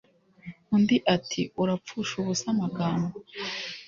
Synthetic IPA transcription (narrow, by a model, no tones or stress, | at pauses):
undiʔatʰiuɾap͡fuʃuβusamaɡaːmba